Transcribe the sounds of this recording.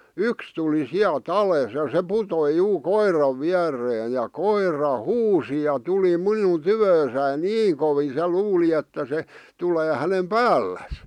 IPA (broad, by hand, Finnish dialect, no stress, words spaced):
yks tuli siælt ɑleˑs jɑ se putoi juː koirɑʋ ʋiærˑeːj jɑ koirɑ huːsi jɑ tuli minun tyʋøːsæin niːŋ koʋiː se luːli etːæ se tuleː hænem pæːlːæs